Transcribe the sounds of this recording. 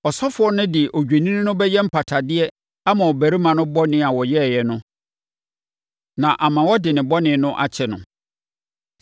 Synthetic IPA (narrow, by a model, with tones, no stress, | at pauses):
ɔ˨sɔ˦fʊ˨˦ɔ˦nʊ̃˦dɪ˨ʔo˨d͡ʑᶣe˨nĩ˦ñ˦nʊ̃˦bɛ˦jɛ˦m̩˦pʰa˨tʰa˨dɪ˦ɛ˦ | a˦mã˨wɔ˨bæ˨ɾi˦mã˨nʊ̃˦bɔ˦nɪ̃˦a˨wɔ˨jɛ˦˨jɛ˨nʊ̃˦ | nã˨ʔa˨mã˨wɔ˦dɪ˨nɪ̃˨bɔ˦nɪ̃˨nʊ̃˦ʔa̰˦t͡ɕʰɛ˨nʊ̰̃˨